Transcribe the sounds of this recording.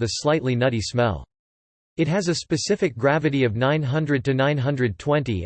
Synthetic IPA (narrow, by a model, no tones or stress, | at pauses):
ðɨslaɪtˡlinʌɾismɛ̰lˠ | ɨt̚ɦɨzɨspɨsɪfɨk̚ɡ̥ɹævɨɾiʌvnãɪ̃nɦʌ̃ndɹɨd̚tɨnãɪ̃nɦʌ̃ndɹɨd̚tʰw̥ɛ̃ntḭ